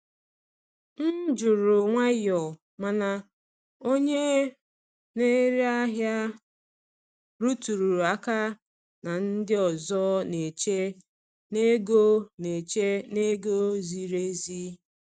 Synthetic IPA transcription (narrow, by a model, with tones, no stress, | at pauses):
n̩˦d͡ʒʊ˨ɾʊ˨ŋʷa˦jɔ˨ | ma˨na˨ | o˦ɲe˦ | ne˦ɾi˦a˦ɦja˦ | ɾu˦tu˨ɾu˨ɾa˦ka˦ | na˨n̩˦dɪ˦ɔ˨zɔ˦ne˨t͡ʃe˦ | ne˦ɡo˦ne˨t͡ʃe˦ne˦ɡo˦zi˨ɾe˦zi˦